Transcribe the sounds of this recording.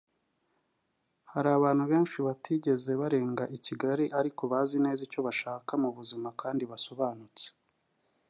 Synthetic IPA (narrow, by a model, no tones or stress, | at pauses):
haɾaːβaːnhuβe̞ːnʃiβatiɟe̞ze̞βaɾe̞ːŋɡaʔiciɡaɾiʔaɾiko̞βaːzine̞ːzico̞βaʃaːkamuβuzimakaːndiβaso̞βaːnut͡se̥